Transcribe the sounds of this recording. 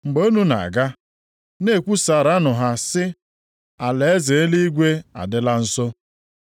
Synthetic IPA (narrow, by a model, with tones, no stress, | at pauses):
ŋ͡m̩˨ɡ͡bo˦nu˦na̰˨ɡa˦ | ne˦˨kʷu˦sa˨ɾa˦nʊ˨ɦa˦sɪ˦ | a˨le˨e˦ze˨e˦li˦ɡʷe˦a̰˨dɪ˦la˦n̩˦sɔ˦